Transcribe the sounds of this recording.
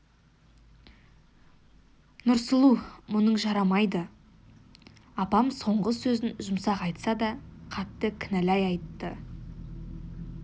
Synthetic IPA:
nʊɾsəlˠumʊnəɴʒɑɾɑmɑjd̪ə | ɑpɑmso̞ɴʁəsɵzɪnʒʊmsɑqɑjt̪sɑd̪ɑqʰɑt̪ːəkʲʰɪnælæjɑjt̪ːə

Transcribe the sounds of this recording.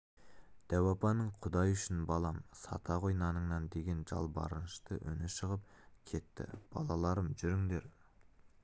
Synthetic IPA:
d̪̥æwɑpɑnəɴqʰʊd̪ɑjʏʃɪnbɑlˠɑmsɑ̰t̪ʰɑʁojnɑnəɴnɑnd̪e̞ɡʲe̞nʒɑ̰lˠbɑ̰ɾənəʃt̪əʔɵ̰nɪʃəʁəp̚kʲʰe̞t̪ːɪ̰b̥ɑ̰lˠɑlˠɑɾəmʒʏɾɪŋd̪e̞ɾ

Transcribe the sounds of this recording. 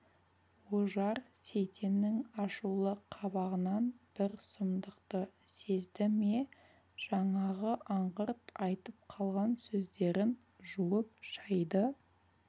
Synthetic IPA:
woʒɑɾse̞jt̪ʰe̞nːɪŋɑʃulˠəqʰɑβɑʁənɑnb̥ɪɾsʊmd̪əqt̪əse̞zd̪ɪme | ʒ̥ɑɴɑʁəʔɑɴʁəɾt̪ɑjt̪əp̚qʰɑlˠʁɑnsɵzd̪e̞ɾɪn | ʒuəp̚ʒɑjd̪ə

